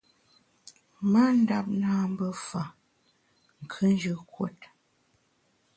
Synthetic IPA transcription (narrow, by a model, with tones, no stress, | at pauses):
ma˦n̩˦da˦p̚naː˦m̩˦bə˦fa˨ | ŋ̩˨kʰə˦n˦d͡ʒə˦kwo̰˦t̚